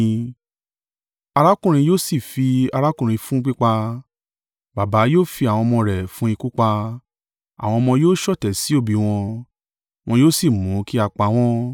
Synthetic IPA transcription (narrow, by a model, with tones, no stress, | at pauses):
a˧ɾa˦kũ˦˨ɾ̃ĩ˧joː˦si˦˨fi˧a˧ɾa˦kũ˦˨ɾĩ˧fũ˦k͡pi˦k͡pa˧ | ba˨ba˨˦joː˦˨fi˧a˨w̃ɔ̃˧mɔ̃˧ɾɛ˨fũ˦i˧ku˦k͡pa˧ | a̰˨w̃ɔ̃˧mɔ̃˧joː˦ʃɔ˦˨tɛ˨si˨˦o˦˨bi˧w̃ɔ̃˧ | w̃ɔ̃˧joː˦si˦˨mũ˨˦ki˦a˧k͡pa˧˦w̃ɔ̃˦